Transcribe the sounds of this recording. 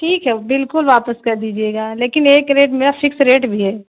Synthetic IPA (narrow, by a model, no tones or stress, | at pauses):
ʈʰiːkɦɛbɪlkʊlʋaːpəskɐɾd̪iːd͡ʒieːɡaːleːkɪneːkɾeːʈmeːɾafɪksɾeːʈbʱiɦɛː